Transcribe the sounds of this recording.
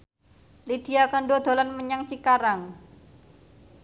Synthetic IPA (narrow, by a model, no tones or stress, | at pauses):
lid̪̥i̤akəɳɖod̪̥o̤lanməɲaŋt͡ʃikaɾaŋ